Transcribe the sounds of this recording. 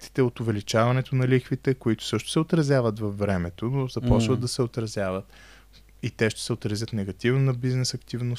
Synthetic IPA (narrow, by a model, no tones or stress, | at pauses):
t̪i̥t̪ɛot̪ʊvɛlit͡ʃavɐnɛt̪onɐlixvit̪ɛkoit̪ʊ̥sɤʃt̪ʊ̥sɛot̪ɾɐzʲjavət̪vɐfːɾɛmɛt̪onozɐpɔt͡ʃvəd̪̚d̪ɐsɛot̪ɾɐzʲjavət̪ | it̪ɛʃt̪ɛ̥sɛot̪ɾɐzʲjət̪nɛɡɐt̪ivnonɐbiznɛsɐkt̪ivnos